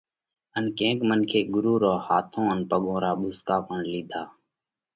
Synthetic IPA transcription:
ənkẽːkmənkʰeːɡʊɾuːɾoːhaːt̪ʰõːənpəɠõːɾaːɓʊskaːpəɳliːd̪ʱaː

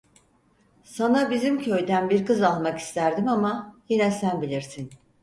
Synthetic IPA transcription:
sanabizimcʰø̞jd̪ænbiɾkɯzalˠmaki̥st̪ʰæɾd̪imamajinɛsænbilʲiɾsin

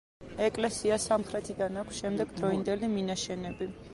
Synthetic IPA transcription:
ɛkʼlɛsiasamχɾɛt̪ʰid̪anakʷʰsʃɛmd̪ɛɡd̪ɾɔind̪ɛliminaʃɛnɛbi

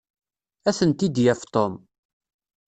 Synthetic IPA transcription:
æθənt̪id̪jæft̪om

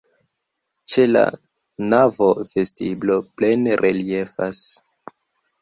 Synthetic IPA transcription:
t͡ʃe̞la̰ | navove̞stiblo̞ple̞nɾʔeliefa̰s

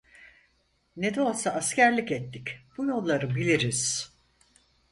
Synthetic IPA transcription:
ned̪ɛo̞lˠsaascʰæɾlʲicɛt̪ːicb̥ujo̞lˠːaɾɯbilʲiɾiz̥

